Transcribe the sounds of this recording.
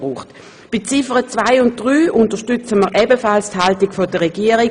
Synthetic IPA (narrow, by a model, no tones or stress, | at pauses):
ʁuːχt | b̥ɪt͡sifəʁət͡svaɪʊnt̚d̥ʁyːʔʊntəʃtʏt͡səməʁʔɛbəfalsthaltikfodəʁɛɡiːəʁi